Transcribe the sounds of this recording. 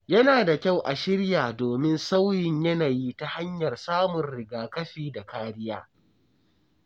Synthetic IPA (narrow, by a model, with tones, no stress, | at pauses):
jɐ˦naː˨da˨kʲa˦˨wʔa˨ʃɪ˦ɽjaː˨doː˨mɪ˦nsa˦wjɪ˨ɲjɐ˦naː˨ji˦ta˦ha˦ɲjɐ˨rsaː˦mʊ˨nɾɪ˨ɡaː˨kɐ˦ɸiː˦da˨kaː˦ɽɪ˦jaː˦